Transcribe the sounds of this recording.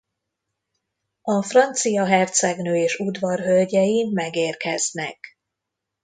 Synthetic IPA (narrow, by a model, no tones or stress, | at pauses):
ɒfrɒnt̪sijɒɦɛrt̪sɛɡnøːeːʃud̪vɒrɦølɟɛjimɛɡeːrkɛznɛ̰k